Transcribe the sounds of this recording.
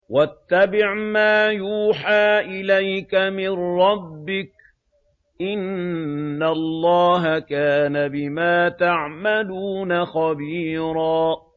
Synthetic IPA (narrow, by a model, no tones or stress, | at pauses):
wat̪ːabɪʕmaːjuːħaːʔɪlajkamɪnɾɑbːɪk̚ | ʔɪnː | alˤːɑːɦakaːnabɪmaːt̪aʕmaluːnaxabiːɾɑː